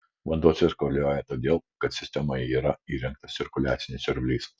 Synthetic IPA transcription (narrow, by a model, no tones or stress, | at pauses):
ʋɐnd̪uɔt̪sʲɪɾkoɾlʲoːjɛt̪oːd̪ʲeːlˠkɐt̪sʲɪsʲt̪ʲɛmoːjɛiːɾɐiːɾʲɛŋkt̪ɐɪɾkʊlʲæ̰ːt̪sʲɪnʲɪsʲʊɾʲʋʲlʲiɪs